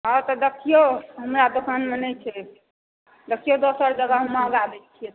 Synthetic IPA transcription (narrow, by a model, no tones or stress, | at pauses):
ɔt̪ɔd̪əkʰːijoɦəmɾad̪okʰənmenəjt͡ʃʰɛ | d̪əkʰijod̪osəɾd͡ʒəɡəɦəmːaəɡabɛlt͡ʃʰie